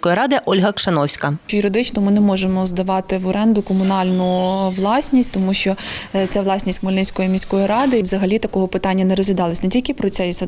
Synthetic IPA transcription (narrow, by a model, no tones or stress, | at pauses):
kɔjiɾɑd̪ɪʔɔlʲɦɐkʃɐnɔwsʲkɐt͡ʃjʊɾed̪ɪt͡ʃnɔmɪnɛmɔʒemɔzd̪ɐʋɑt̪ɪʋɔɾɛnd̪ʊkɔmʊnɑlʲnʊʋlˠɑsʲnʲisʲtʲt̪ɔmuʃt͡ʃɔt̪sʲɛʋlˠɑsʲnʲisʲtʲmɔlʲɪnʲsʲkɔjimʲisʲkɔjiɾɑd̪ɪʋzɐɦɐlʲit̪ɐkɔɦɔpɪt̪ɑnʲːɐnɛɾɔzʲʋʲɪd̪ɑlˠɐsʲnetʲilʲkɪpɾɔt̪ɛjsʲ